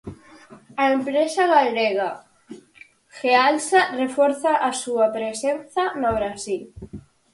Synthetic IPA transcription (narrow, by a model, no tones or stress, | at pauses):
aempɾesaɣalɾeɣa | xealsarefɔɾθaʔasuapɾesenθanoβɾasil